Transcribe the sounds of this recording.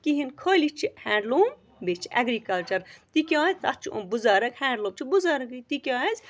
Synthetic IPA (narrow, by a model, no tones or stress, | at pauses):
kiɦinkʰoːlit͡ʃʰihɛ̃ːɳɖloːm | bet͡ʃʰiʔɐ̰ɡɾikɐlt͡ʃɐɾt̪ikʲãːzt̪ɐt͡ʃʰuṵ̃buzaːɾɐkhɛ̃ːɳɖloːmt͡ʃʰibuzaːɾɐkit̪ikʲaːez